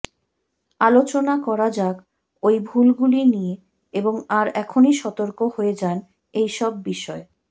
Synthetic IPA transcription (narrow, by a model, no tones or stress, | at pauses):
alot͡ɕonakɔɾad͡ʑak | ojbʱulɡulinije | eboŋaɾɛkʰoniʃɔt̪oɾkohoed͡ʑan | ejʃɔbːiʃɔe